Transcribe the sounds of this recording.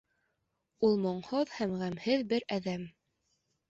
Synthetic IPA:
ulˠmŏɴhoðhæmʁæmhɘðbɘɾæðæm

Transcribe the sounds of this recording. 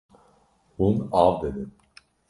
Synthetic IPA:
hunavd̪ed̪ɪ

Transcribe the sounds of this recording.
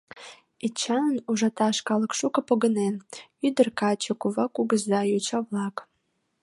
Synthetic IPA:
it͡ʃʰɑnuʒɑt̪ɑʃkɑlˠəkʃukəpoɡənenyd̪ərkɑt͡ɕəkuvakuɡəzd̪ɑjyt͡ɕavlˠɑk

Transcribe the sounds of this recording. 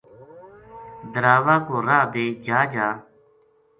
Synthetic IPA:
d̪əɾaːʋaːkoːɾaːd̪eːd͡ʒaːd͡ʒaː

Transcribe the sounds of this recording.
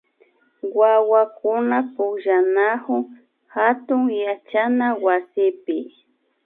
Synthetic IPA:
wawakʊnapʊkʒanahʊŋ | hat̪ʊŋjat͡ʃanawasɪpɪ

